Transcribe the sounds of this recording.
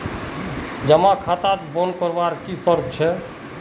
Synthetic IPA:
d͡ʒəmãkʰat̪at̪bɔnkəɾʋaɾkisəɾt͡ʃʰɛ

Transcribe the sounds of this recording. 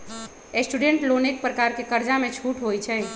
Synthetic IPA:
esʈuɖeɳʈlonek̚pɾəkaɾkekəɾd͡ʒamet͡ʃʰuʈɦojt͡ʃʰɛ

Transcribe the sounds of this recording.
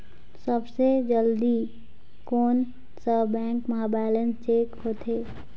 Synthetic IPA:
səbsed͡ʒəld̪i | koːn | səbɛ̃ːŋkmɐɦabaːɪlənt͡ʃeːkɦoːt̪ʰeː

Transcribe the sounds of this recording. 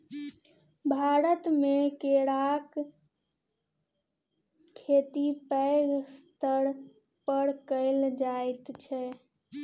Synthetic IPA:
bʱaɾət̪mekeɾak | et̪ipəɡst̪əɾ | pəɾkəɪld͡ʒajt̪t͡ʃʰɛ

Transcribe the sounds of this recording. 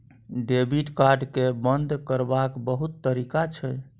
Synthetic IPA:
ɖebiʈkaɾɖkebənd̪ʱkəɾbakbəɦut̪ːəɾikat͡ʃʰɛ

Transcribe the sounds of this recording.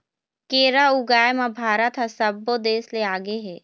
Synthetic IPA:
keːɾauɡaːjmabʱaːɾət̪ɦɐsɐbːod̪eːsleaːɡeɦɛː

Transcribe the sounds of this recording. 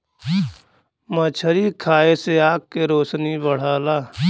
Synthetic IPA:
mət͡ʃʰəɾikʰaːeseaːk̚keɾoːsnibəɽ̤aːlaː

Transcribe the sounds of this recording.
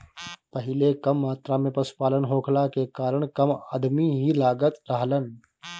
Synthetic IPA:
pəɦɪlekəmːaːt̪ɾamẽpəsu̥paːlənɦoːkʰlakekaːɾəɽ̃kəma̰ːd̪miɦilaːɡət̪ɾəɦlən

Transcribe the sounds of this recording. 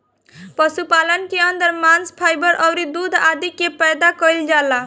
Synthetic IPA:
pəsupalənkeənd̪əɾmanspʰajbəɾʔəʊɾid̪ud̪ʱad̪ikepəjd̪akəild͡ʒala

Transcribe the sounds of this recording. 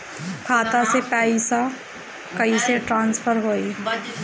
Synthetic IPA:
kʰaːt̪ãsepɛːisa | kəiseʈɾãːnspʰəɾɦoːi

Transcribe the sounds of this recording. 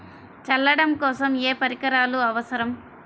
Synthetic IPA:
t͡ʃɐlːɐɽɐmkɔːsɐmeːpɐɾikɐɾaːluɐʋɐsɐɾɐm

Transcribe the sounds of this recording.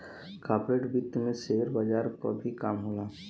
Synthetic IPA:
kaːpɾeʈbɪt̪ːmẽseːɦəɾbad͡ʒaːɾko̰bʱikaːmɦolaː

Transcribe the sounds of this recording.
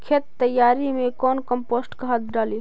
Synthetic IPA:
kʰeːt̪ːəjaːɾimẽkɔːnkəmpoːsʈkəɦət̪̚ɖaːli

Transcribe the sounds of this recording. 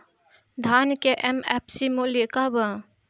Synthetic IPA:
d̪ʱaːnkeʔɛmɛpsimolekabə

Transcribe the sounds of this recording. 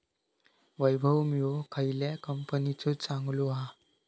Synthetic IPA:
ʋəjbʱəwmiokʰəjlakəmpənit͡sut͡saŋɡluɦa

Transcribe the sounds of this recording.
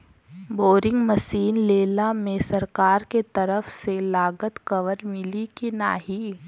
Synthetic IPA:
boːɾɪ̃ŋɡmɐʃiːnleːlamẽsɐɾkaːɾket̪ɐɾəfselaːɡət̪kɐʋəɾmɪlikina̰ːɦiː

